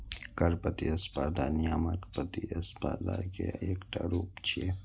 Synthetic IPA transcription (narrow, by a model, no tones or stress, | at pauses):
kɐɾpət̪iɐspad̪anijamakpət̪iɐspaːd̪a̰keaeːkʈa̰ɾuːpt͡ʃʰie